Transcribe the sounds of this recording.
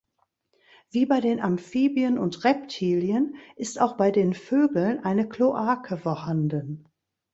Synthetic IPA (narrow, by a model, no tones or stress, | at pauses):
v̥iːbaɪdeːnʔamfiːbiənʊntʁɛp̚tʰiːljənʔɪstaʊxb̥aɪdeːnføːɡl̩nʔaɪnəkloʔaːkʰəfoːɐhandən